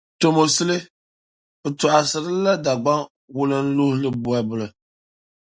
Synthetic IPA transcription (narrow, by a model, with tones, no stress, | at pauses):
to˨mo˨sɨ˦lɨ˦ | bɨ˨tʊ˨ʔa˨sɨ˨ɾɨ˦la˦da˨ɡ͡ba˦ŋ | wʊ˦lɨ˦n̩˦lʊ˦hlɨ˦bʊ˦ɛ˦bʊ˨lɨ˨